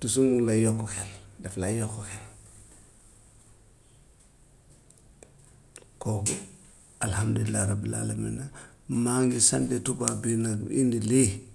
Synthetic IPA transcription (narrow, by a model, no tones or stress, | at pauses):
tus̬umulajokːɔkeldaflajokːokel | koku | alhamduilːaɾabila̰ːlamḭnamaŋɡisandetubabinaindili